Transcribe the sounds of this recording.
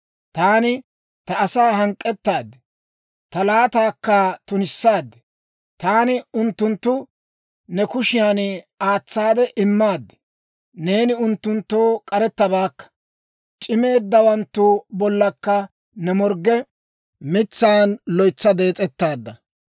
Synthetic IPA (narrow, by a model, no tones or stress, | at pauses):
t̪aːnɪ | t̪ɐːsaːɦɐŋkʼːɛt̪ːaːd̪ːɛ | t̪ɐlaːt̪aːkːɐt̪ʊnɪsːaːd̪ːɛ̥ | t̪aːnɪʊnt̪ːʊnt̪ːʊ | nɛkʊʃɪjaːn | aːt͡sːaːd̪ɛʔɪmːaːd̪ːɛ̥ | ne̞ːnɪʊnt̪ːʊnt̪ːo̞ːkʼɐɾɛt̪ːɐbaːkːɐ̥ | t͡ʃʼɪme̞ːd̪ːɐwɐnt̪ːʊbɔlːɐkːɐ | nɛmɔɾɡɛ | mɪt͡sːaːnlɔjt͡sːɐd̪e̞ːt͡sʼɛt̪ːaːd̪ːɐ